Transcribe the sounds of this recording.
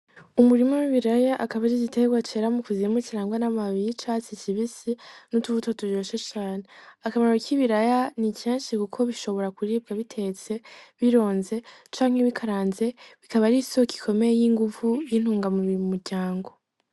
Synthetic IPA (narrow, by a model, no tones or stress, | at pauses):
umuɾimowiβiɾajaʔakaβaɾiɟite̞ɡwat͡ʃeɾamukuzimuciɾaːŋɡwanamaβit͡ʃat͡ʃiciβisinutuβutotud͡ʒoːʃet͡ʃaːneakamaɾokiβiɾajaniceːnʃikukʰo̞βiʃo̞βo̞ɾakuɾiːb̚ɡaβitʰe̞t͡se̞βiɾo̞ːnze̞t͡ʃaːŋ̥he̞βikʰaɾaːnze̞βikaβaɾisoki̥kʰo̞me̞jejiŋɡuvujin̥huːŋɡamuβimuɾɟaːŋɡo̞